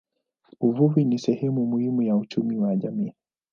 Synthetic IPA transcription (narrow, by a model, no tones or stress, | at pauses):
uvuvinisɛhɛmumuhimujaut͡ʃumiwaʄamiː